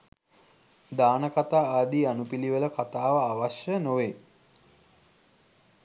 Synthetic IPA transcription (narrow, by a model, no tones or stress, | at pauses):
d̪aːnəkat̪aːaːd̪ianupiliʋələkat̪aːʋəːʋaʃjənoʋe